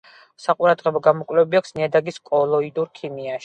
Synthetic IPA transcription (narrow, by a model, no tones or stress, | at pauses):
saqʼuɾad̪ʁɛbɔɡamɔkʼwlɛbiakʰsniad̪aɡiskʼɔlˠɔid̪uɾkʰimiaʃi̥